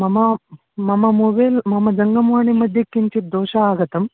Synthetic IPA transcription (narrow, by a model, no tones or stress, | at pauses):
mɐmɐ | mɐmɐmuːbeːlmɐmɐd͡ʒɐŋɡɐmʋaːɳimɐd̪ʱjɐkːiɲt͡ʃid̪oːʂɐaːɡɐt̪ɐm